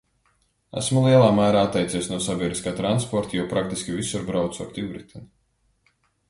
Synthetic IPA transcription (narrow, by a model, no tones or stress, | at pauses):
æ̰smulˠiɛlˠaːmæːɾaːat̪ːɛjt̪sʲiɛsnuɔsabʲiɛd̪ɾiskaːt̪ɾanspɔɾt̪ajupɾakt̪iskʲivisuɾbɾawt̪sɔ̰ɾt̪iwɾit̪ʲʰin